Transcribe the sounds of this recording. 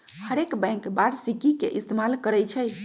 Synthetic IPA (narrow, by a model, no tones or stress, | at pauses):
həɾekbɛ̃ŋkbaɾsikikeʔist̪emalkəɾɛjt͡ʃʰɛj